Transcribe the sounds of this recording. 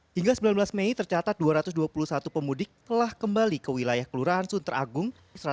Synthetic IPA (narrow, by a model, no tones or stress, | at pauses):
hiŋɡasəbilanblasmeit̪ərt͡ʃat̪at̪̚duaɾat̪ʊs̬duapulusat̪upəmudɪk̚t̪əlahkəmbalikəwilajahkəluɾaansunt̪əɾaɡʊŋ | səɾa